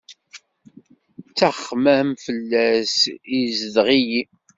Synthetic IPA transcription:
t͡sːæχmæmfəlːæsizəðʁiji

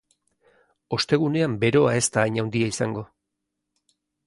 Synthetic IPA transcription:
o̞st̪e̞ɣ̞une̞ambe̞ɾo̞ae̞st̪aːjɲawnd̪iaisaŋɡo̞

